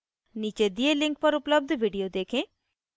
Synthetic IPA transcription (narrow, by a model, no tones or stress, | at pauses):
niːt͡ʃed̪ielɪ̃ŋk̚pəɾʊpləb̚d̪ʋiːɖijod̪eːkʰẽː